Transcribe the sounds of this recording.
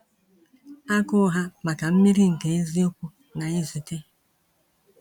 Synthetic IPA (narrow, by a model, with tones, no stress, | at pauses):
a˦kʊ˦ɦa˦ma˨ka˨m̩˦mi˦ɾi˦ŋ̩˨ke˨e˦zi˦o˦kʷu˦ | na˨i˦zi˨te˦